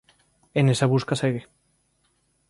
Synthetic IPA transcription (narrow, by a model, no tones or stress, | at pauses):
enesaβuskaseɣe